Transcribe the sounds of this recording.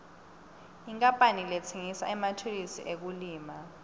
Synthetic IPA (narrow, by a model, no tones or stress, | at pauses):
iŋkʼampʼanilɛt͡sʰeŋisa̰ɛmatʰulisḭʔek̬uliːma